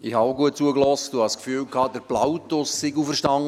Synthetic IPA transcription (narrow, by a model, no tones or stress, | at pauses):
ɪhɑoɡuət̚t͡suəklɔstd̥uhɑʃskfyːlkʰɑːd̥əɾb̥lawtʊsːɪɡufərʃtɑŋ